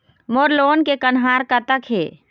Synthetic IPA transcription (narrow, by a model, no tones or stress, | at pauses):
moɾloːnkekənɦaːɾkət̪əkɦḛː